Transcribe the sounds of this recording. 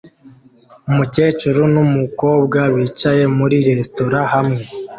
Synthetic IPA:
umuce̞ːt͡ʃuɾonumuko̞ːbɡaβiːt͡ʃaje̞muɾiɾe̞sto̞ɾahamŋe̞

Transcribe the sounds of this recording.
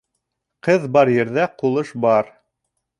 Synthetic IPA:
qɤðbɑɾjɘ̆ɾðæqulˠɤʃbɑɾ

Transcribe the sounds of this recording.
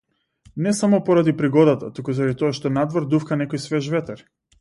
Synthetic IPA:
nɛsamɔpɔɾad̪ipɾiɡɔd̪at̪at̪ukuzaɾad̪it̪ɔaʃt̪ɔnad̪vɔɾd̪ufkanɛkɔjsvɛʒvɛt̪ɛɾ

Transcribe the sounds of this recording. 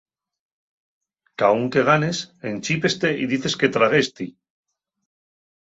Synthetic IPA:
kauŋke̞ɣ̞ane̞se̞nt͡ʃipe̞st̪e̞ʔiðiθe̞ske̞t̪ɾaɣ̞est̪i

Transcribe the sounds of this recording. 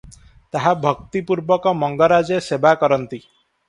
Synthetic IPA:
t̪aɦabʱɔkt̪ipuɾbɔkɔmɔŋɡɔɾad͡ʒesebakɔɾɔnt̪i

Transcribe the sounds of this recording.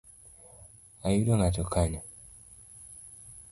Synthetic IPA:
ajidoŋɡatokʰaɲa

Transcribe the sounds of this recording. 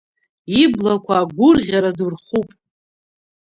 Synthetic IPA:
iblakʷʰaːɡʷʊrʁʲaɾadurχupʼ

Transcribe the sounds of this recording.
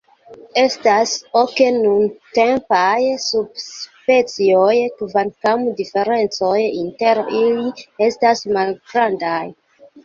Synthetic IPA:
e̞stasoke̞nunte̞mpajsub̚spe̞t͡siojkvankamdife̞ɾe̞nt͡so̞jinte̞ɾilie̞stasmalɡɾandaj

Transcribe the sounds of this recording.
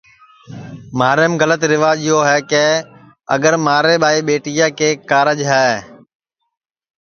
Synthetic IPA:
maːɾəmɣələt̪ɾɪʋaːd͡ʒɪjoːɦɛːkɛː | ə̰ɡəɾmaːɾeːɓaːiːɓeːʈɪjãːkeːkaːɾəd͡ʒɦɛː

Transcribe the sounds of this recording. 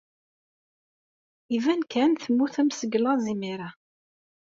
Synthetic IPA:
ivænkʰænθəmːuθæmsəɡlɑzimiɾa

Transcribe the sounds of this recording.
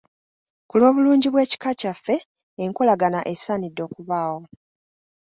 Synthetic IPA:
kulo̞ːβuluːɲɟiβwe̞ːci̥kacafːe̞ː | ŋkolaɡanaʔe̞saːnidːo̞ːkuβaːwo̞

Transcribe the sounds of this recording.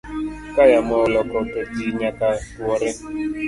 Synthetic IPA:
kajamɔlɔkɔtetiɲakawɔɾɪ

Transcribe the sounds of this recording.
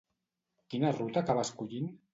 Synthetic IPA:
kinarut̪akaβaskuʎin

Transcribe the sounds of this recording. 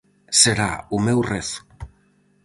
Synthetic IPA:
seɾa̰umewreθu̥

